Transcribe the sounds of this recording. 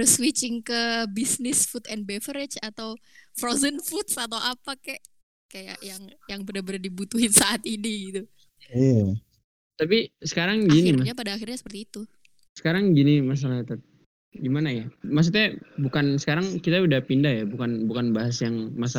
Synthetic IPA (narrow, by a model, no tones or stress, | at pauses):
ɾʊswit͡ʃɪŋkəbisnɪsfut̪ɛnbɛfəɾɪt͡ʃat̪awfɾozənfut̪sat̪awʔapakɛʔ | kaja̰ʔjaŋjaŋbənərbənardibut̪uɦɪnsaʔat̪iniɡit̪u | ija | t̪apisə̥kaɾaŋɡiniɲap̬adaːxirɲasə̥pərt̪iːt̪u | sə̥kaɾaŋɡinimas̬alat̪at̪̚ | ɡimanajamas̬ut̪ɲabukansə̥kaɾaŋkit̪audahpindaɦjabukanbukanbaɦasjaŋmasa